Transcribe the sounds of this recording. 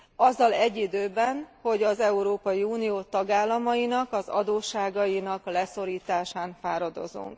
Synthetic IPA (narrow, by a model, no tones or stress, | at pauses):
ɒzːɒlɛɟːid̪øːbɛnho̞ɟɒzɛuɾoːpɒjiuːnijoːt̪ɒɡaːlːɒmɒjinɒkɒzɒ̰d̪oːʃːaːɡɒjinɒklɛso̞ɾiːt̪aːʃaːnfaːɾɒd̪o̞̰zṵŋk